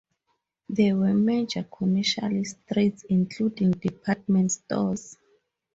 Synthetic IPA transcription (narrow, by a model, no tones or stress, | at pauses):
ðɛwɛmed͡ʒakʰɔmɛʃa̰listɹitsĩŋkʰludĩŋdipʰat̚mɛ̃ntstɔ̰z